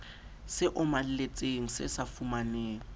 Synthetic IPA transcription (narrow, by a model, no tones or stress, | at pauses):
sɪʔʊmal̩let͡sʼeŋ̩sɪ̰safumaneːŋ̩